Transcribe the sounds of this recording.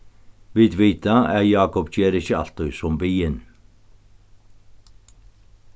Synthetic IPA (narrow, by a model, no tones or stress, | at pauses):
ʋiːd̪ʋiːt̪ʰaæjɑːkɔpc͡çeːɾɪçəɑ̰lt̪œʏsɔmbiːən